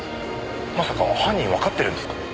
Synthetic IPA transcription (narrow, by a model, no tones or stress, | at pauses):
masakaβahãɲ̟ːĩβakat̪ːeɾɯ̟nd̪esɨ̥kḁa